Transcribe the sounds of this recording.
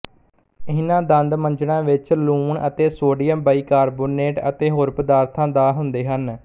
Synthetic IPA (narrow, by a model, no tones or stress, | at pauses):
ɪɪnãːd̪ənd̪məɲd͡ʒɳãːʋɪt͡ʃluːɳət̪eːsoːɖiːəmbaːiːkaːɾboːneːʈə̰t̪eːɦoːɾpəd̪aːɾt̪ʰãːd̪aːɦʊnd̪eːɦən